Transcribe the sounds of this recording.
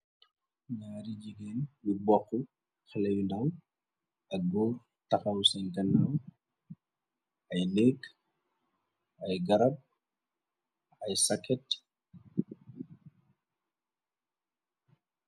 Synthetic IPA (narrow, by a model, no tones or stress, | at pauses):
ɲaːɾiɟiɡɛːnbibɔxːu | xəlɛjundɐm | ɐk̚ɡuːr | tɐxɐwsɛnɡɐnːaw | ɐjlɛkː | ɐjɡɐɾɐb̚ | ɐjsɐkːɛt